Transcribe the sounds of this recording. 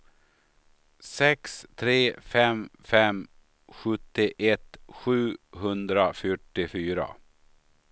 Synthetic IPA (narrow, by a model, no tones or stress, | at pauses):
sɛkst̪ʰɾeːfɛmfɛm | ɧɵt̪ːɪʔɛt̪ɧʉ̟ːɦɵnd̪ɾafœʈːɪfyːɾa̰